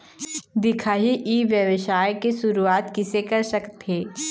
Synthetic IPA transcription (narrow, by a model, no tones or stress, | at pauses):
d̪ɪkʰaɦiʔiːʋjɐʋɪʃaːjkeʃʊɾuaːt̪kɪsekɐɾsɐkt̪ɦeː